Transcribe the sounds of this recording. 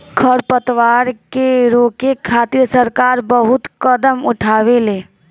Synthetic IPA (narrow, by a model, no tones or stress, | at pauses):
kʰəɾpət̪ʋaːɾkeɾoːkekʰːaːt̪iɾsəɾkaːɾbəɦʊt̪kəd̪əmʊʈʰaːweleː